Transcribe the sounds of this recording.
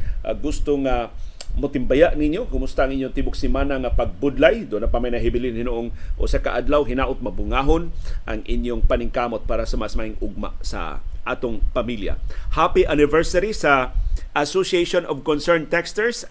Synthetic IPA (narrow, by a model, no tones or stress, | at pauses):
ʔa̰ɡʊst̪oŋa | mʊt̪ɪmbajaʔnɪɲjokʊmʊst̪aʔɐŋɪɲjoŋt̪ibʊksɪmaːnaŋɐpɐɡ̚bʊd̪lajd̪oʔonɐpamajnɐɦɪbɪlɪnhɪnoʔoŋʔo̰sakaʔad̪lawɦɪnaːʔʊt̪̚mɐbʊŋaːɦonʔɐŋʔɪɲjoŋpɐnɪŋkaːmot̪̚paːɾɐsɐmasmaʔɪŋʊɡ̚ma̰sɐ̰ʔaːt̪oŋpɐmilja̰hapiʔanɪvɛɹsɐɾisɐʔasosieʃonʔɔvkonsɛɹnt̪ɛkst̪ɛɹs